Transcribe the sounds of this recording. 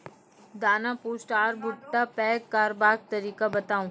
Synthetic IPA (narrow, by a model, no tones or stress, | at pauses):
d̪aːnapuːsʈaːɾbʊʈːapɛːkaːɾbaːk̚t̪ɐɾiːkabɐt̪aːũː